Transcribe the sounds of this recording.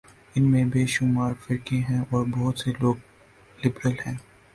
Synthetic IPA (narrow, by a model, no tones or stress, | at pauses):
ɪnmẽbeːʃʊmaːɾfɪɾkẽɦɛ̃ɔːɾbɔɦʊt̪seloːɡ̚ | lɪbɾəlɦɛ̃ː